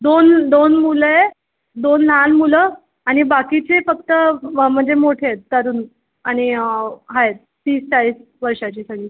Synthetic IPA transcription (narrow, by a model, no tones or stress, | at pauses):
d̪ond̪onmuləje | d̪onl̤anmulə | aɽ̃ibakit͡sefəkt̪əm̤əɳd͡zemoʈʰet̪̚kəɾuːn | aɽ̃iɦaet̪̚ː | t̪iːstaɭiːs | ʋəɾʂat͡ɕiːsaɡiː